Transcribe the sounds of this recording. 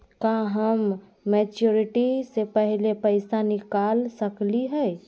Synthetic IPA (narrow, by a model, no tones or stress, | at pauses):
kaɦəmː | ɛːt͡ʃjoɾɪʈisepɛɦlepəɪsanɪkaːlsəkliɦɛ